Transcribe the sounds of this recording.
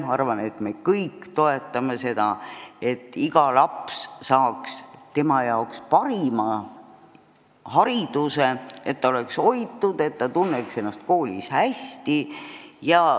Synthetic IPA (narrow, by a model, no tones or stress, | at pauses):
mɑɑrvɑne̞t̪me̞kɤjkt̪o̞e̞t̪ːˑɑme̞se̞d̪̥ɑet̪ˑːiɡɑlɑpssɑːkst̪e̞mɑjɑokspɑɾimɑ | hɑɾid̪̥useet̪ːɑo̞le̞kso̞jt̪ːˑud̪e̞t̪ːt̪ɑt̪unːekse̞nːɑst̪̚ko̞ːlʲḭshæst̪ijɑ